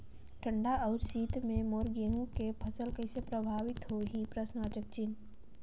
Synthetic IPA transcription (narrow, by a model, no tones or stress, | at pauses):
ʈʰə̃ɳɖaʔɔːʊɾsiːt̪mẽmoːɾɡeːɦũkepʰɐsəlkəɪsepɾəbʱaːʋɪt̪ɦoɦipɾəsnaːt͡ʃək̚t͡ʃɪn